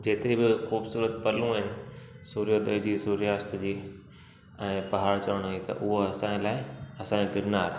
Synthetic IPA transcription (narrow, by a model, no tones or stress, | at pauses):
d͡ʑeːt̪ɪɾibɪxuːbsuːɾət̪pɐlũɦɪnɪ̆ | suːɾijod̪ɐɪd͡ʑiːsuːɾijaːst̪d͡ʑiː | ɛ̃ːpɐɦaːɾt͡ɕɐʋəɽ̃it̪ɐ̰ʔʊɦoɐsãːlaːɪɐsãːẽɡɪɾnaːɾ